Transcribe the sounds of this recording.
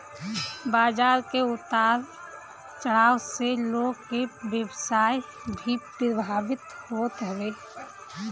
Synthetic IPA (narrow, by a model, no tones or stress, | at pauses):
baːd͡ʒaːɾkeʊt̪aːɾ | t͡ʃəɽ̤aːwseloːɡkebjəbsaːj | bʱiːpːɾəbʱaːbɪt̪hot̪ɦoɡe